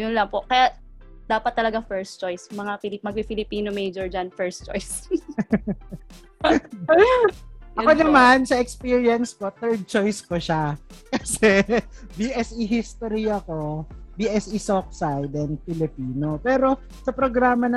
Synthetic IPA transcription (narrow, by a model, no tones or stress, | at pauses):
jʊnlɐŋpoʔkɐjaʔd̪̥aːpɐt̪ːɐlɐɡafɛɹst͡ʃojsmɐŋafɪmɐɡ̚ifɪlɪpiːnomejd͡ʒoɹd͡ʒɐnfɛɹst͡ʃojs | ʔɐkonɐmansɐɛkspiɹjɐnskot̪ɛɹd̪̚t͡ʃojskoʃakɐsɛbiʔɛsiɦist̪oɾijɐko̞biʔɛsʔisok̚sajd̪ɛn̚fɪlɪpiːnopɛːɾo̞ | sɐpɾoɡɾaːmɐnɐ